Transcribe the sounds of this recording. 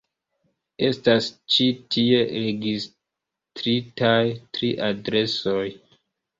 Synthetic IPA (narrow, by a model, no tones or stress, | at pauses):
e̞stast͡ʃitie̞ɾe̞ɡis | tɾitajtɾiʔadɾe̞so̞j